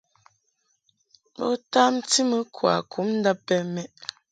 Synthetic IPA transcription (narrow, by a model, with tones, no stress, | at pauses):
mo̰˦ta˦m̩˦ti˦mə˦kʰwa̰˨kʰu˨˦mn̩˦da˦pːɛ˦mɛ˦ʔ